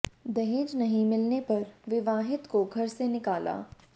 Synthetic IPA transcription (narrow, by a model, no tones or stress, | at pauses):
d̪ɐɦeːd͡ʒnɐɦĩmɪlnepɐɾʋɪʋaːɦɪt̪koɡʱɐɾsenɪkaːlʔa̰ː